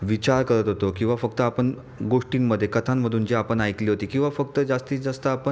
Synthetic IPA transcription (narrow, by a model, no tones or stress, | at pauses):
ʋit͡ɕaɾkəɾət̪ɦot̪okĩw̃ʋafəkt̪əapəɳ | ɡoʂʈimmːəd̪ʱːjekət̪ʰamːəd̪ʱuːnd͡ʑiːapəɳajkliːɦot̪iːkĩw̃ʋafəkt̪əd͡zast̪iːd͡zast̪əapən